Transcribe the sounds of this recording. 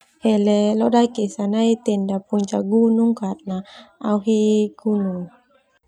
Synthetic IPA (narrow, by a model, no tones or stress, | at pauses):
hɛlɛlɔdajkesanait̪endapuɲt͡ʃaɡunuŋkat̪̚naawɦiɡ̥unuŋ